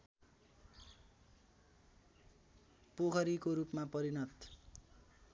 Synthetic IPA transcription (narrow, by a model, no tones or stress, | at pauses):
poɡʰʱʌɾikoɾupmapʌɾinʌt̪